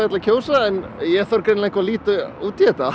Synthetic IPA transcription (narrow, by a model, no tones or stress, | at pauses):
ɛt̪lakcʰoːwsaɛnjɛθœɾkɾenlaẽhŋkvaliːt̪ʏuːt̪jɛt̪a